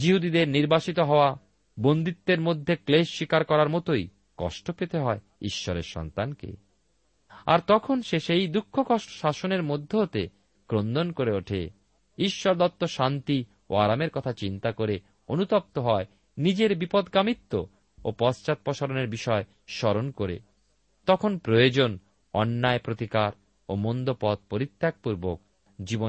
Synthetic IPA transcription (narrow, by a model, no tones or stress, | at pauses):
d͡ʑiɦud̪id̪eɾniɾbaʃit̪oɦɔoa | bond̪it̪ːeɾmod̪ʱːekleʃːikaɾkɔɾaɾmot̪oj | kɔ̰ʃʈopet̪eɦɔe | iʃːɔɾḛɾʃɔ̰nt̪ankḛ | a̰ɾt̪ɔkʰonʃeʃejd̪ukʰːokɔʃʈo̥ʃaʃoneɾmod̪ʱːeɦot̪ḛ | kɾond̪onkoɾeoʈʰḛ | iʃːɔɾd̪ɔt̪ːoʃant̪i | o̰aɾameɾkɔt̪ʰat͡ɕint̪akoɾe | onut̪ɔp̚t̪oɦɔe | nid͡ʑeɾbipɔd̪kamit̪ːo | opɔst͡ɕat̪̚pɔʃaɾoneɾbiʃɔe | ʃɔɾonkoɾḛ | t̪ɔkʰonpɾojod͡ʑon | ɔnːaepɾot̪ikaɾ | omond̪opɔt̪̚poɾit̪ːjak̚puɾbok̚ | d͡ʑibo